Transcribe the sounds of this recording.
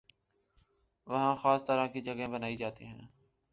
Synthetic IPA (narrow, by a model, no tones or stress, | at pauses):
ʋəɦãːxaːst̪əɾãːkiːd͡ʒəɡɦẽːbənaːid͡ʒaːt̪ḭːɦɛ̰̃ː